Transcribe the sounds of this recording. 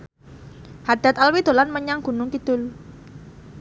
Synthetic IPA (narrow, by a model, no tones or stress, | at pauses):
had̪̥a̤t̪alwid̪̥o̤lanməɲaŋɡ̥ṳnʊŋkid̪̥ʊl